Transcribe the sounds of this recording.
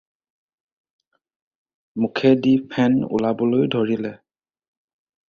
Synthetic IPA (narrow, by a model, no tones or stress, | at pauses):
mukʰɛdipʰɛnṵlabɔlojdʱoɹilɛ